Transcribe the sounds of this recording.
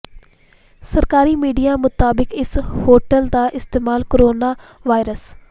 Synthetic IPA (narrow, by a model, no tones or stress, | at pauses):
səɾkaːɾiːmiːɖijaːmʊt̪aːbɪkɪshoːʈəld̪aːʔɪst̪eːmaːlkoɾoːnaːʋaːɪɾəs